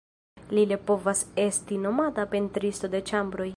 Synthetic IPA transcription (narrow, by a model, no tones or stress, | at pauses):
lile̞po̞vase̞stino̞matape̞ntɾisto̞de̞t͡ʃambɾo̞j